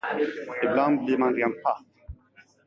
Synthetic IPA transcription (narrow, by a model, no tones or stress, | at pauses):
ɪbland̪̚bliɾmanɾenpʰat̪ː